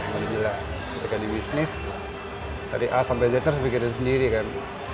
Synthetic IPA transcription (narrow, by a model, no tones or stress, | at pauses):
ŋadibəlas | kit̪akandibisnɪs | t̪a̰diʔasalbad͡ʒat̪əɾs̬bikɪt̪ɪnsəndiɾikan